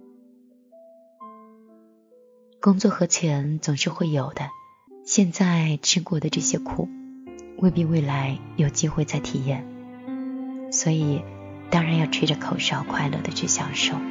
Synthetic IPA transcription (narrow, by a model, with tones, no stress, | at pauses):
kʊ˥ŋt͡swɔ˥˩xɤ˧˥t͡ɕʰɛ˧˥nt͡sʊ˨˩ŋʂɻ̩˥˧xwe˥˩ɪjo˨˩ʊd̪ə˦ | ɕjɛ˥˧nt͡sa˥˩ɪʈ͡ʂ̩ʰ˥kwɔ˥˩d̪ə˩ʈ͡ʂɤ˥˩ɕjɛ˥kʰṵ˨˩˦wʔe˥˧ɪpi˥˧we˥˩ɪla˧˥ɪjo˨˩ʊt͡ɕi˥xwe˥˧t͡sa˥˩ɪt̪ʰi˨˩jɛ˥˩n | swɔ˧˥i˨˩ | t̪ɑ˥ŋɻa˧˥njɑ˥˧ʊʈ͡ʂʰi˥ʈ͡ʂə˧kʰo˨˩ʊʂjɑ˥˩ʊkʰwa˥˧ɪlɤ̰˥˩d̪ə˩ʈ͡ʂʰy˥˩ɕjɑ˨˩ŋʂo˥˩ʊ